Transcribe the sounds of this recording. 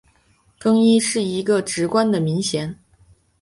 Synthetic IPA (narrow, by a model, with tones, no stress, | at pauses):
fɤ˥ŋi˥ʂɻ̩˥˩i˧˥ɡə˧ʈ͡ʂɻ̩˧˥kwa˥nd̪ə˨mi˧˥ŋɕjɛ˧˥n